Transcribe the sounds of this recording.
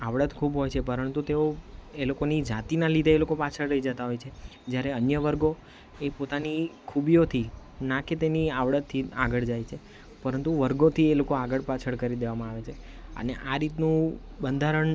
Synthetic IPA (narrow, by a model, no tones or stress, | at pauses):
aʋɽət̪kʰubɦojt͡ʃʰepəɾənt̪ut̪eoelokonid͡ʒat̪inalid̪ʱeːlokopat͡ʃʰəɭɾəid͡ʒət̪aɦojt͡ʃʰed͡ʒjaɾeənjəʋəɾɡo | epot̪anikʰubijot̪ʰi | naket̪eniaʋɽət̪t̪ʰːia̰ɡəɭd͡ʒajt͡ʃʰe | pəɾənt̪uʋəɾɡõt̪ʰielokoaɡəɭpat͡ʃʰəɭkəɾid̪eʋamãaʋet͡ʃʰe | ə̰neʔaɾit̪nũ | bənd̪ʱaɾəɳ